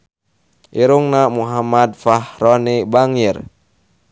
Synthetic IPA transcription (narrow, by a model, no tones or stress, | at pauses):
ʔiɾuŋnamuɦamad̪̚fahɾɔnibaŋir